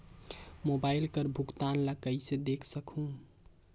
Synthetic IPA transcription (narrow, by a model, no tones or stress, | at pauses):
mobailkəɾbʱukt̪anləkəjsed̪ekʰsəkʰɦũ